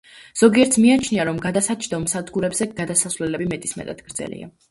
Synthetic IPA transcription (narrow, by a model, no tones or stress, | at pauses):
z̥ɔɡiɛɾt̪sʰmiat͡ʃʰniaɾɔmɡad̪asat͡ʃʰʼd̪ɔmsad̪ɡuɾɛbzɛɡ̥ad̪asasvlɛlɛbimɛt̪ʼismɛ̰t̪ʼad̪̥ɡ̥ɾd̪zɛ̰lḭa̰